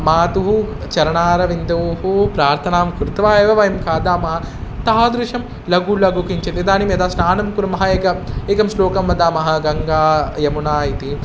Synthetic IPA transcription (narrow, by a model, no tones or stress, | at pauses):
maːt̪uɦut͡ʃɐɾɐɳaːɾɐʋind̪ɐʋɦupɾaːɾt̪ʰɐnaːmkuɾt̪ʋaːeːʋɐʋɐjɐmkaːd̪aːmɐɦɐ̆ | t̪aad̪ɾuʂɐm | lɐɡulɐɡukiɲt͡ʃɐt̪ed̪aːnimjɐd̪aːsnaːnɐmkuɾɐmɐɦɐeːkɐeːkɐmsloːkɐmːɐd̪aːmɐɦɐɡɐŋɡaːjɐmunaːit̪i